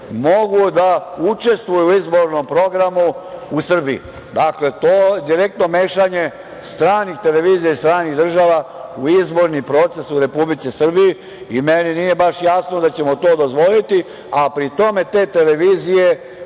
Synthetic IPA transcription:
mo̞ɡud̪aut͡ʃe̞st̪ʋujuizbo̞ɾnompɾo̞ɡɾamuusr̩biḭ | d̪akle̞t̪oːd̪iɾe̞k̚t̪no̞meːʃaɲe | st̪ɾaːnixt̪e̞le̞ʋiːzijaist̪ɾaːniɣd̪r̩ʒaːʋauizbo̞ɾnimpɾo̞ːt̪se̞suɾe̞publit̪sisr̩biji | imeninije̞baʃjasnod̪at͡ɕe̞mot̪o̞ːd̪o̞zʋo̞lit̪i | apɾit̪o̞me̞t̪e̞ːt̪e̞leʋiːzije̞

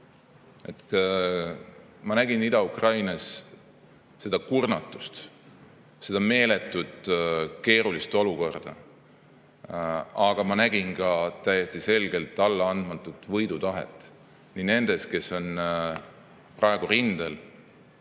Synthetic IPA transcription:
e̞t̪ | mɑnæɡ̥inid̪ɑukrɑjnɑs | e̞d̪̥ɑkurnɑt̪ːˑu̥st̪ | se̞d̪̥ɑme̞ːle̞t̪ːˑud̪ke̞ːɾulist̪o̞luko̞rd̪̥ɑ̰ | ɑɡ̥ɑmɑnæɡ̥inkɑt̪æjːest̪ise̞lɡe̞lt̪ːˑɑlːɑɑnd̪̥mɑt̪ːˑut̪ːˑvɤjd̪̥ut̪ɑɦḛt̪ːˑ | nine̞nd̪̥e̞ske̞so̞n | prɑe̞ɡ̥uɾind̪̥el

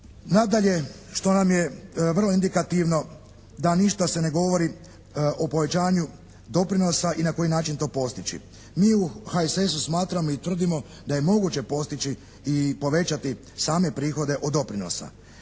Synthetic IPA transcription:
nad̪aʎe̞ | ʃt̪o̞namje̞ʋr̩lˠo̞ind̪ikat̪iʋno̞ | d̪aniʃt̪ase̞ne̞ɡo̞ʋo̞ɾi | ʔopo̞ʋe̞t͡ɕaːɲu | d̪o̞pɾino̞saʔinako̞jinaːt͡ʃint̪o̞ːpo̞st̪it͡ɕḭ | miːuhaisesusmaːt̪ɾamoit̪ʋr̩d̪imo̞ | d̪aje̞mo̞ɡut͡ɕe̞po̞st̪it͡ɕiː | po̞ʋe̞t͡ʃat̪i | saːme̞pɾiːxo̞d̪e̞ʔod̪ːo̞pɾino̞̰sa̰

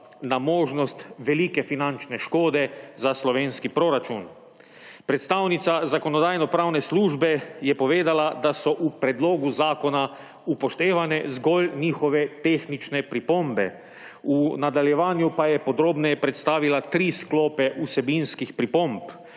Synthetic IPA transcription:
namoːʒnɔst̪ʋɛliːkɛfinant͡ʃnɛʃkoːd̪ɛzaslɔʋeːnskipɾoɾat͡ʃun | pɾɛt̪st̪awnit̪sazakɔnɔd̪aːjnɔpɾaːwnɛsluːʒbɛjɛpɔʋeːd̪alad̪asɔʔupɾɛd̪loːɡuzaːkɔna | upɔʃt̪eːʋanɛzɡɔlniːxɔʋɛt̪eːxnit͡ʃnɛpɾipombɛ̰ | unad̪aljɛʋaːnjupajɛpɔd̪ɾoːbnɛjɛpɾɛt̪st̪aːʋilat̪ɾisklɔːpɛʔusɛbinskixpɾipomp

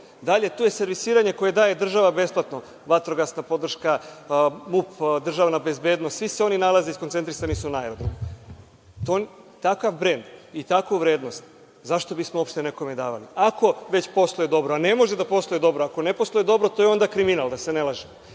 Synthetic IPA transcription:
d̪aʎe̞t̪uje̞se̞ɾʋisiːɾaɲe̞ko̞je̞d̪aːje̞d̪r̩ʒaʋabe̞splˠat̪no̞ | ʋat̪ɾoɡasnapo̞d̪r̩ʃka | mupd̪r̩ʒaʋanabe̞zbe̞ːd̪nost̪sʋiseo̞ninalˠaze̞iskont̪e̞nt̪ɾisanisunaeɾod̪ɾom | t̪on | t̪akaʋbɾe̞nd̪it̪akuʋɾe̞ːd̪no̞st̪ | zaʃt̪o̞bismoo̞pʃt̪e̞ne̞ko̞med̪aːʋaliako̞ʋe̞t͡ɕpo̞st̪ˠojed̪o̞bɾoane̞mo̞ʒed̪apo̞sloed̪o̞bɾoako̞neposlˠojed̪o̞bɾot̪o̞jeo̞nd̪akɾiminalˠd̪ase̞nelˠaʒem

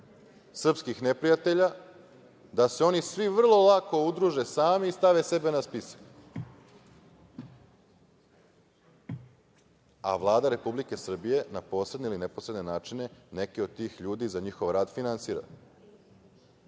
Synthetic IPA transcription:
sr̩pskixne̞pɾijat̪e̞ʎa | d̪ase̞o̞nisʋiʋr̩lˠo̞lˠako̞ud̪ɾuʒe̞saːmeist̪aʋese̞be̞naspisḁk | a̰ʋlˠaːd̪aɾe̞publike̞sr̩bije̞napo̞ːsɾed̪neilineposɾe̞d̪ne̞naːt͡ʃine̞ne̞keo̞d̪̚t̪iːxʎuːd̪izaɲixo̞ʋɾaːd̪finansiːɾa̰

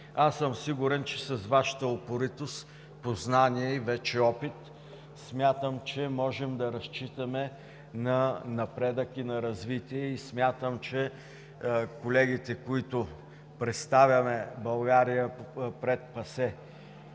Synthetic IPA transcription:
asːəmsiɡʊɾɛnt͡ʃɛsɐzvaʃə̥t̪əopoɾit̪os | poznaniɛivɛt͡ʃɛɔpit̪ | smʲjat̪əmt͡ʃɛmɔʒɛmd̪ɐɾɐst͡ʃit̪əmɛ | nɐnɐpɾɛd̪əkinɐɾɐzvit̪iɛismʲjat̪əmt͡ʃɛ | kolɛɡit̪ɛkoit̪ʊ | pɾɛt̪st̪avʲjɐmɛbɐlˠɡaɾijəpɾɛt̪̚pɐsɛ

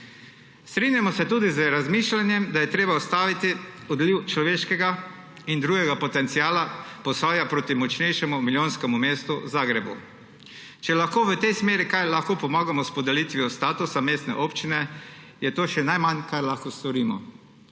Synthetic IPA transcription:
st̪ɾiːnjamɔsɛt̪uːd̪izəɾazmiːʃlanjɛmd̪ajɛt̪ɾeːbaɔst̪aːʋit̪iɔd̪liwt͡ʃlɔʋeːʃkɛɡa | ind̪ɾuːɡɛɡapɔt̪ɛnt̪siaːlapɔsaːjapɾoːt̪imɔt͡ʃnɛjʃɛmumiljoːnskɛmumeːst̪uzaːɡɾɛbṵ | t͡ʃɛlaxkoːʋət̪ɛjsmeːɾikajlaxkoːpɔmaːɡamɔspɔd̪ɛlit̪ʋijɔst̪aːt̪usameːst̪nɛ̰ʔoːpt͡ʃinɛ | jɛt̪oːʃɛnajmankaɾlaxkost̪ɔɾiːmɔ̰

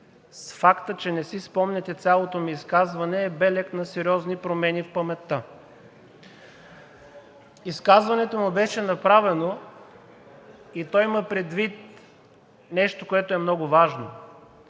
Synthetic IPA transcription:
sfakt̪ət͡ʃɛnɛsispɔmnɛt̪ɛt̪sʲjalˠot̪omiːskazvɐnɛːbɛlɛknɐsɛɾʲɔznipɾomɛnifpəmɛt̪ːə | iskazvɐnɛt̪omubɛʃɛnɐpɾavɛno | it̪ɔiməpɾɛd̪vit̪̚ | nɛʃt̪okoɛt̪oɛmnɔɡʊvaʒno̰

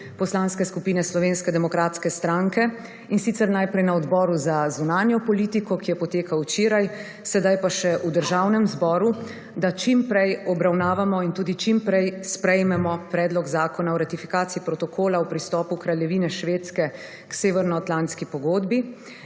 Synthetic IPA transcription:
pɔslaːnskɛskupiːnɛslɔʋeːnskɛd̪ɛmɔkɾat̪skɛst̪ɾaŋkɛ | insit̪sɛɾnajpɾɛjnaɔd̪bɔːɾuzazunaːnjɔpɔliːt̪ikɔkijɛpɔt̪eːkawt͡ʃeːɾaj | sɛd̪ajpaʃɛʔud̪əɾʒaːwnɛmzbɔːɾu | d̪at͡ʃimpɾɛjɔbɾawnaːʋamɔint̪uːd̪it͡ʃimpɾɛjspɾɛjmɛmɔpɾɛːd̪lɔɡzaːkɔnaɔɾat̪ifi̥kaːt̪siipɾɔt̪ɔkʰoːlawpɾist̪ɔːpukɾaljɛʋiːnɛʃʋeːt̪skɛ | kseːʋɛɾnɔat̪lant̪skipɔɡoːd̪bi

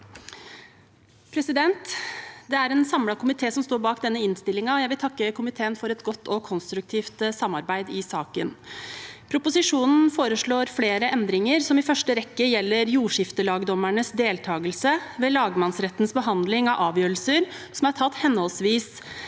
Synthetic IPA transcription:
pʰɾɛsɪd̪ɛnt̪d̪ɛæɾɛːnsɑmlɑkʊmɪt̪ʰeːsɔmst̪oːɾbɑːkd̪ɛnːəɪnst̪ɪlːɪŋɑɔjæɪʋɪlt̪ʰɑkːəkʰʊmɪt̪ʰeːənfɔɾɛt̪ɡɔt̪ʰːɔkʰɔnst̪ɾʉk̚t̪ʰiːft̪sɑmːɑɾbæɪd̪ɪsɑːkən | pʰɾʊpʊsɪʂuːnn̩foːɾəʂɭoːɾfleːɾəʔɛnd̪ɾɪŋəɾsɔmɪfœʂʈəɾɛkːəjɛlːəɾjuːʂɪft̪əlɑːɡd̪ɔmæɳəsd̪eːlt̪ʰɑːɡəlsəʋeːlɑːɡmɑnsɾɛt̪ːnsbəɦɑnd̪lɪŋɑʔɑːʋjøːɾəlsəɾsɔmæʈʰɑt̪ːhɛnːhɔlsʋiːs

